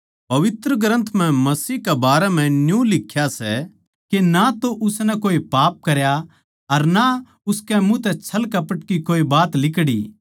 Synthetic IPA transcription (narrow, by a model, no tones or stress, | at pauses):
pɐʋɪt̪ɾəɡɾə̃nt̪ʰm̤ɛ̃mɐsiːɦkɛbaːɾɛm̤ɛ̃njũlɪkʰːjasɛ | kenat̪oʔʊsnɛkoːipaːp̚kɐɾja | ɐɾna | ʊskɛmũt̪ɛt͡ʃʰɐlkɐpəʈkikoːibaːt̪lɪkɽḭː